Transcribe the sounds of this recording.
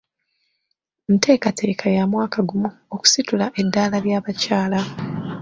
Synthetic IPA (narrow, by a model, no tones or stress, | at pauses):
mite̞ːkatʰe̞ːkʰajamwaːkaɡumuoku̥situlaʔe̞dːaːlaljaːβacaːla